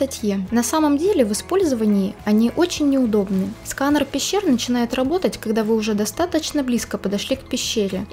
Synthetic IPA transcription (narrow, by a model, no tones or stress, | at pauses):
t̪ɐtʲjenɐsaməmdʲelʲɪvɨspo̞lʲzəvənʲɪjɪɐnʲiʔo̞t͡ɕɪnʲːɪʊd̪o̞bnɨskanrpʲɪɕːernət͡ɕɪn̪ajɪt̪rɐbo̞t̪ətʲkɐɡd̪avɨʊʐɛd̪ɐst̪at̪ət͡ɕnəblʲiskəpəd̪ɐʂlʲikpʲɪɕːeɾʲɪ